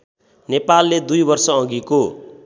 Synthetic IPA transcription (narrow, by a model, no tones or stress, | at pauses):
nepalːed̪ujbʌrsʌʌ̃ɡiko